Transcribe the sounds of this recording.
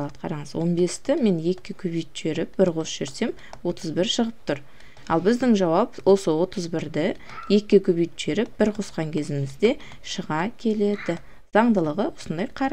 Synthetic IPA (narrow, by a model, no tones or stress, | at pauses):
ɑt̪qʰɑɾɑɴəzwo̞nbe̞st̪ɪme̞nje̞kʲːɪkʲʰɵbijt̪ʃe̞ɾɪp̚b̥ɪɾqʰo̞sʃe̞ɾse̞m | wo̞t̪ʰəzbɪɾʃəʁəp̚t̪ʰʊɾ | ɑ̰lˠbɪzd̪ɪŋʒɑwɑpwʔo̞səwo̞t̪əzbɪɾd̪ɪ | je̞kʲːɪkʲʰɵbijt̪ʒe̞ɾɪp̚b̥ɪɾqʰo̞sqɑŋkʲʰe̞zɪmɪzd̪e̞ | ʃəʁɑkʲʰe̞le̞d̪ɪ | z̥ɑɴd̪əlˠəʁəwo̞sənd̪ɑjqʰɑɾ